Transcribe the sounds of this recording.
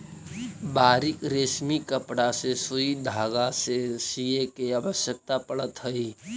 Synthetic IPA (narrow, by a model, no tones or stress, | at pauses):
baːɾikɾeːsmikəpɽasesuid̪ʱaːɡasesiekeabəsjək̚t̪apəɽət̪ɦəi